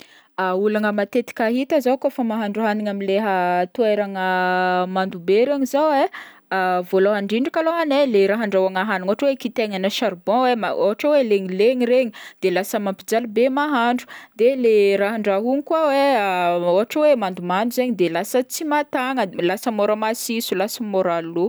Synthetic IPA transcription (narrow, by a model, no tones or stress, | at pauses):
aulaŋəmat̪et̪i̥kʲaɦit̪əzakofəmaɦaɳɖ͡ʐuɦaniŋamileɦət̪uajɾaŋəmand̪ubeɾeɲizawe | avoloɦaɳɖ͡ʐiɳɖ͡ʐakaloɦaneleɾaɦaɳɖ͡ʐawaŋaɦaniŋoɦaʈ͡ʂwekit̪eŋanəʃaɾbɔ̃wema̰o̰ɦaʈ͡ʂaweleɲileɲiɾeɲid̪̥elasəmampid͡zalubemaɦaɳɖ͡ʐud̪eleɾaɦaɳɖ͡ʐaɦunikwaweaoɦaʈ͡ʂawemand̪umand̪uzeɲid̪elasət͡simat̪aŋəlasəmoɾəmasisulasəmoɾalu